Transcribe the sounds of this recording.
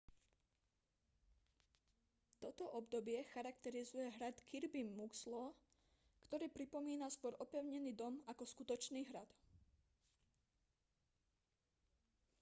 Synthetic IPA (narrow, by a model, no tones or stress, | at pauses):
t̪ɔt̪ɔʔɔbd̪ɔbɪɛxaɾak̚t̪ɛɾizujɛɦɾat̪kʰiɾbimmukslɔ | kt̪ɔɾiːpɾipɔmiːnaskʊɔɾʔɔpɛʊɲɛniːd̪ɔmakɔskut̪ɔt͡ʃniːɦɾad̪